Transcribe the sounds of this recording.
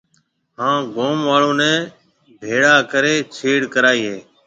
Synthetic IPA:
ɦãːɡoːmʋaːɭõːnɛ̃ː | bʱeːɽaːkəɾeːt͡ʃʰiːɽkəɾaːiːɦeː

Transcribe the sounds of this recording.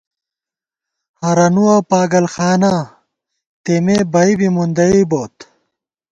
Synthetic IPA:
hɐɾɐnuwapaːɡɐlxaːna | t̪emeːbɐibimund̪ɐiboːt̪

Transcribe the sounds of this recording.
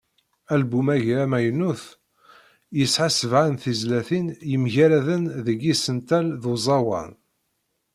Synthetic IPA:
ælbumæʝæmæjnuθ | jəsħasəvʕanθizlæθinjəmʝæɾæðənðəɡisənt̪ælðozˤɑwɑ̰n

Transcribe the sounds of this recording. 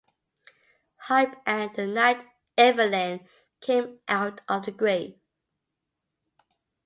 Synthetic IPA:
haɪpʔə̃nðənaɪt | ɛvəlæ̃n | kʰẽɪ̃mʔaʊtəvðəɡɹeɪ

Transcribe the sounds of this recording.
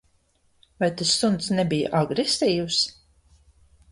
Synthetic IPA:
vajt̪asːunt̪snɛbija̰ʔaɡɾesʲt̪iːws

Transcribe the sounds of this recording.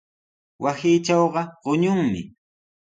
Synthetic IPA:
wasiːt͡ʃaɑwɢɑɢʊɲʊŋmɪ̰

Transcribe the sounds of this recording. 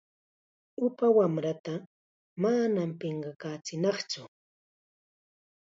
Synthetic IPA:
ʊpawamɾat̪a | manampeɴɢɑkaːt͡sɪnɑχt͡sʊ

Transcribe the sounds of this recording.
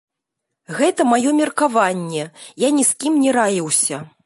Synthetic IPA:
ɣɛt̪ɐmajɔmʲɛrkavanʲːɛjanʲiskʲimnʲɛɾajiwsʲɐ

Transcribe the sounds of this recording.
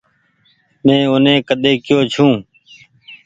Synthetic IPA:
mẽːʊnẽːkəɗ̪eːkɪjoːt͡ʃʰũː

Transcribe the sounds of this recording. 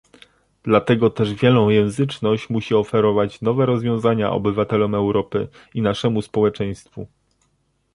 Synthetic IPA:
d̪̥lat̪ɛɡɔt̪ɛʐvʲjɛlnɔ̃w̃jɛ̃w̃zɘt͡ʂnɔɕt͡ɕmuɕiɔfɛɾɔvat͡ɕnɔvɛɾɔzvʲjɔ̃w̃zaɲa̰ʔɔ̰bɘvat̪ɛlɔmɛwɾɔpɘ̰ | inaʂɛmuspɔwɛt͡ʂɛj̃st̪fṵ

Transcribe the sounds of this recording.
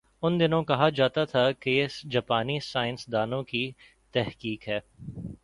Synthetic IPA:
ʊnd̪ɪnõkɐɦad͡ʒaːt̪at̪ʰaked͡ʒaːpaːnisaːɪnsd̪aːnõki | t̪ɛɦkiːkɦɛː

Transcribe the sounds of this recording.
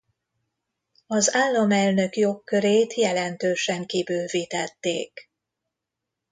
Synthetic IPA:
ɒzaːlːɒmɛlnø̞kjo̞kːø̞ɾeːt̪jɛlɛnt̪øːʃɛŋkibøːviːt̪ɛt̪ːḛːk

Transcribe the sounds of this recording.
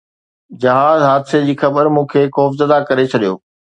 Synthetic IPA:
d͡ʑɐɦaːzɦaːd̪sed͡ʑiːxɐbəɾmũːkʰeːxɔːfzɐd̪akɐɾet͡ɕʰɐɗijoː

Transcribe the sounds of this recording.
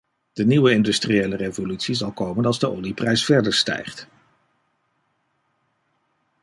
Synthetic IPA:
d̥əniwəɪndystrieːlərejvolytsizɑlˠkowmənɑlˠzdəo̰liprɛjsfɛɹdəɹstɛ̰jχt

